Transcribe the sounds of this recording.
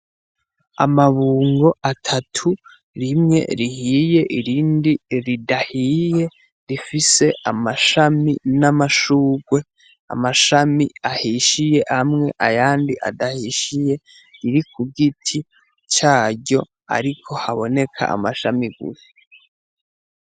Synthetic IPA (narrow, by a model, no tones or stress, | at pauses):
a̰maβuːŋɡo̞ʔatʰatʰu | ɾimŋe̞̰ɾihije̞ʔiɾiːndiɾidahije̞ | ɾifise̞ʔamaʃaminamaʃuːɡwe̞ | a̰maʃamiahiʃije̞hamŋe̞̰ʔajaːndiʔa̰dahiʃije̞ | iɾikʰuɡitʰi | t͡ʃaːɟo̞ | a̰ɾikʰo̞haβo̞ne̞kʰa̰ʔa̰maʃamiɡṵɾe